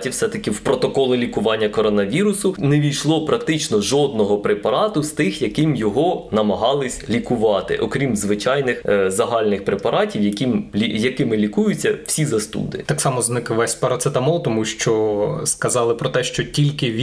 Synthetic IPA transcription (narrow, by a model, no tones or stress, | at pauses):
tʲiwsɛt̪ɐkɪwpɾɔt̪ɔkɔlˠɪlʲikʊʋɑnʲːɐkɔɾɔnɐʋʲiɾʊsʊnɛʋʲijʃlˠɔpɾɐkt̪ɪt͡ʃnɔʒɔd̪̚nɔɦɔpɾepɐɾɑt̪ʊst̪ɪxjɐkɪmjɔɦɔnɐmɐɦɑlˠɪsʲlʲikʊʋɑt̪ɪ̰ʔɔkɾʲimzʋɪt͡ʃɑjnɪxzɐɦɑlʲnɪxpɾepɐɾɑtʲiwjɐkʲimʲijɐkɪmɪlʲikujʊt͡sʲːɐw̥sʲizɐst̪ṵd̪ɪ̰t̪ɑksɑmɔznɪkʋɛsʲpɐɾɐt̪sɪt̪ɐmɔlˠt̪ɔmuʃt͡ʃɔskɐzɑlˠɪpɾɔt̪ɛʃt͡ʃɔtʲilʲkɪʋʲ